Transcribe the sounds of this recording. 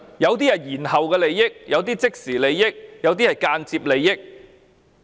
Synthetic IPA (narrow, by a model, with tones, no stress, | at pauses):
jɐ˨˧wt̪̬iː˥ɐ˨˩jiː˨˩nhɐ˨wkɛː˧le˨˧jːɪ˥k̚jɐ˨˧wt̪iː˥t͡sɪ˥k̚siː˨˩le˨˧jːɪ˥k̚jɐ˨˧wt̪̬iː˥hɐ˨˩jkaː˧nt͡siː˧p̚le˨˧jːɪ˥k̚